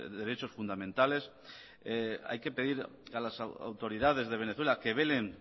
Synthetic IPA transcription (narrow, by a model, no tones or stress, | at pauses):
d̪e̞ɾet͡ʃo̞sfund̪amẽnt̪ale̞s | ea̰jke̞pe̞ðiɾalasa̰wt̪o̞ɾiðaðe̞zðe̞β̞e̞neθwelake̞β̞e̞le̞ŋ